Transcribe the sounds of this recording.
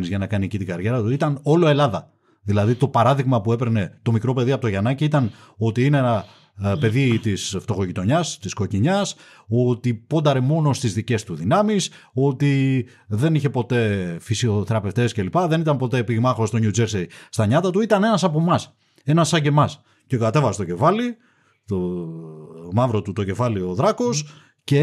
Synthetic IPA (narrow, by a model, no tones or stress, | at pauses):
nizʝɐnɐkɐniecit̪iɡɐɾʝe̞ɾɐt̪uit̪ɐno̞lo̞e̞lɐðɐ | ðilɐðit̪o̞pɐɾɐðiɣmɐpue̞peɾne̞t̪o̞mikɾo̞pe̞ðiɐpot̪oʝɐnɐciit̪ɐn | o̞t̪iineenɐ | pe̞ðit̪isft̪o̞xo̞ʝit̪o̞ɲɐst̪isko̞ciɲɐs | o̞t̪ipo̞d̪ɐɾe̞mo̞no̞st̪izðice̞st̪uðinɐmis | o̞t̪i | ðe̞niçe̞po̞t̪e̞fisio̞θe̞ɾɐpe̞ft̪e̞sce̞lipɐðenit̪ɐmpo̞t̪e̞piɣmɐxost̪o̞ɲud͡zeɾsejst̪ɐɲɐt̪ɐt̪uit̪ɐne̞nɐsɐpo̞mɐs | e̞nɐsːɐɟe̞mɐs | cekɐt̪e̞vɐsest̪o̞ce̞fɐli | t̪o | mɐvɾo̞t̪ut̪o̞ce̞fɐlio̞ðɾɐko̞s | ce̞